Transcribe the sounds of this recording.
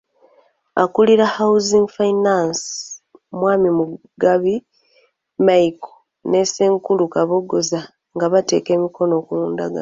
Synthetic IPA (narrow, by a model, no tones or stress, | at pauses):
akuliɾahauziŋɡfainans | mwaːmimu | ɡaβi | maiko̥ | ne̞seːŋkulukaβo̞ɡo̞za | ŋɡaβate̞̰ːke̞ːmikʰo̞no̞ːkuluːnda̰ɡa̰